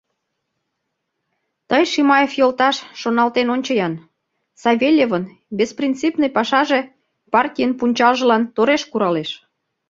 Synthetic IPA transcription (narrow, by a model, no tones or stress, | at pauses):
t̪əjʃimɑjefjolt̪ɑʃːonɑlt̪enonʲt͡ɕəjɑn | sɑβʲelʲjevən | bʲesprʲint̪t͡sipnəjpɑʃɑʒe | pɑrt̪ʲijənpunʲt͡ɕɑlʒə̆lɑnt̪oɾeʃkuɾɑleʃ